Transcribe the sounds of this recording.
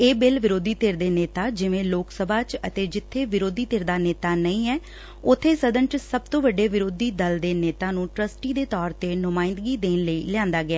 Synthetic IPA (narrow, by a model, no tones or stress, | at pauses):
eːbɪlʋɪɾoːd̪iːt̪eːɾd̪eːneːt̪aːd͡ʒɪʋẽːloːksəbʱaːt͡ʃə̰t̪eːd͡ʒɪt̪ʰːeːʋɪɾoːd̪iːt̪ɪɾd̪aːneːt̪aːnəĩːɛː | ʊt̪ʰːeːsəd̪ə̃nʈsəb̚t̪õːʋəɖeːʋɪɾoːd̪iːd̪əld̪eːneːt̪ãːnũːʈɾəsʈiːd̪eːt̪ɔːɾt̪eːnʊmãːɪ̃nd̪ɡiːd̪eːnləiːlɪãːnd̪aːɡɪaː